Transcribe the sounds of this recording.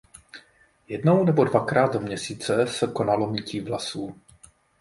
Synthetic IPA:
jɛdno̞wnɛbo̞dvakɾaːd̪zomɲɛsiːt͡sɛsɛko̞nalo̞miciːvlasuː

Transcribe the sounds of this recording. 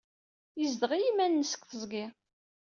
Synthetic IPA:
jizd̪əʁijimænːəsə̥kθəzˤɡɪ

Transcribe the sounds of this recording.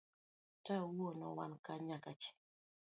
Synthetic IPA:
taowonɔ̰wankaɲakat͡ʃɛ̥

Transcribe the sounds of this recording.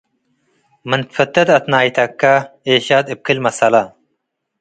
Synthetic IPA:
mənfɐt̪ːɐt̪ɐt̪naːit̪ʰɐkːaeːɕaːt̪ip̚kʰilmɐsɐlɐ

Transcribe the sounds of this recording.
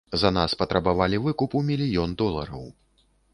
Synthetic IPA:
zɐnaspɐt̪ɾɐbavalʲivɨkupumʲilʲijɔnd̪ɔlˠɐ̰ɾɐw

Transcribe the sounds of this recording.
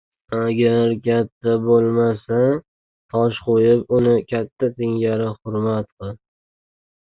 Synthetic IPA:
aɡʲaɾkʲʰat̪ʰːabolˠmasa | t̪ʰɒʃqʰojɪpʊnɪkʲʰat̪ʰːat̪ʰɪŋɡʲaɾɪhʊɾmat̪qʰɨl

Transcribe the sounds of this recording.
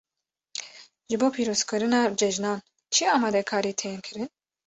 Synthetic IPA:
ʒɨboːpʰiːɾoːzkʰɨɾɨnɑːd͡ʒɛʒnɑːn | t͡ʃʰiɑːmɑːd̪ɛkʰɑːɾiːt̪ʰɛnkʰɨɾɨn

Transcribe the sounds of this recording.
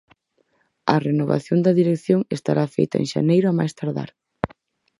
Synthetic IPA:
ɐrenoβa̰θjond̪ɐðiɾekθjoŋest̪aɾafejt̪ɐḛŋʃa̰nejɾʊamajst̪aɾða̰ɾ

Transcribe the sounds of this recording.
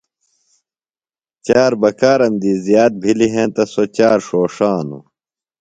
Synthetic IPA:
t͡ɕaːɾbɐkaːɾɐmd̪iːzijaːt̪̚bʱiliɦẽt̪ɐsot͡ɕaːɾʂoːʂaːnṵ

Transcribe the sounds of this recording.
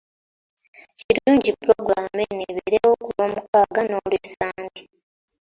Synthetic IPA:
ciɾuːɲɟipːuɾo̞ɡuɾameneβeɾewokuloːmukaːɡano̞ːlwesaːndi

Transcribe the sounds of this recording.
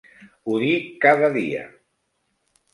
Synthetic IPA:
uðikaðəðḭə̰

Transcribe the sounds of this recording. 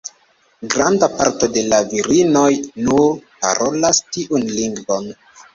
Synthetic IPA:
ɡɾandapaɾto̞de̞laviɾino̞jnuɾpa̰ɾo̞lastiʔunliŋɡvo̞n

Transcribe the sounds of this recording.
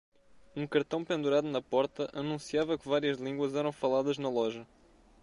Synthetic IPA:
ũkɐɾt̪ɐ̃w̃pẽnd̪uɾaðunɐpɔɾt̪ɐʔɐnũsiavɐkɨvaɾiɐʒlˠĩɡwɐzɛɾɐ̃w̃fɐlˠaðɐʒnɐlˠɔʒɐ

